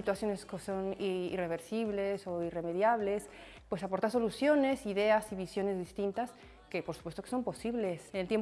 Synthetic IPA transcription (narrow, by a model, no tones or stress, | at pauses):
it̪wasjo̞neskosonḭre̞β̞e̞ɾsiβle̞so̞ire̞me̞ðjaβle̞s | pwe̞sapo̞ɾt̪aɾs̬olusjo̞ne̞siðe̞asiβisjo̞ne̞zðist̪int̪as | ke̞po̞ɾsu̥pwest̪o̞keso̞mpo̞siβle̞senelt̪jem